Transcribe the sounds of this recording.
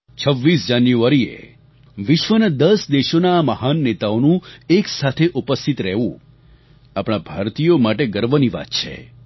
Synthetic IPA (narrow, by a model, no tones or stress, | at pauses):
t͡ʃʰəʋːisd͡ʒanjuaɾiḛ | ʋɪʃʋəned̪əsd̪eʃonaːməhanːet̪aonũeksat̪ʰeʔupəst̪ʰit̪ɾɛɦʋṵ̃ | apɽ̃abʱaɾt̪ijomaʈeɡəɾʋəniʋa̰t̪t͡ʃʰḛ